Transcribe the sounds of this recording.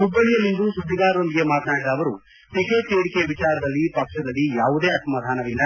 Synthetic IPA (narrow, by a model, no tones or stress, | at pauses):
ɦubːɐɭijɐlːind̪usud̪ʱːiɡaːɾɐɾond̪iɡemaːt̪naːɽid̪aːʋɐɾu | ʈikeːt͡ʃeːɽikeʋit͡ʃaːɾɐd̪ɐlːipɐkʂɐd̪ɐlːijaːʋud̪eːɐsɐmad̪ʱaːnɐʋilːɐ